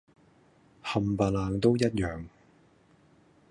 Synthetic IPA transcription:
hɐ˨mpɐ˨laː˨˧ŋt̪o˥wjɐ˥t̚jœː˨ŋ

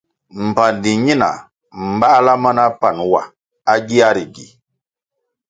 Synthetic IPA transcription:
m̩˨pa˨ndi˨ɲi˦na̰˨ | m̩˨ba˦la˦ma˦na˦pa˨nwa˨ | a˦ɡi˦a˦ɾi˨ɡi˨

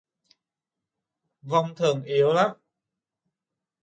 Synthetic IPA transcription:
va˨˧˩wŋ͡mt̪ʰɨ˨˩əŋʔi˨˦əwlaː˦˥m

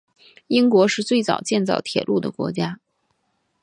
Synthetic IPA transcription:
i˥ŋkwɔ˧˥ʂɻ̩˥˧t͡swe˥˩ɪt͡sɑ̰˨˩ʊt͡ɕjɛ˥˧nt͡sɑ̰˥˩ʊt̪ʰjɛ̰˨˩lʔu˥˩d̪ə̰˩kwɔ̰˧˥t͡ɕja˥

